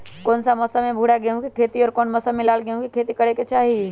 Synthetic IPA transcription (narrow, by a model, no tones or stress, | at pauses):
koːnsaməsamẽbʱuɽaɡeɦũkikʰeːt̪iɔːɾkoːnməsamɪlaːlɡeɦũkikʰeːt̪ikəɽeket͡ʃaːɦi